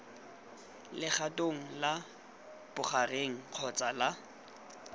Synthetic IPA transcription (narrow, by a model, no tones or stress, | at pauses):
lɪχatʼoŋ̩la | b̥ʊχareŋ̩q͡χʰɔt͡sʼala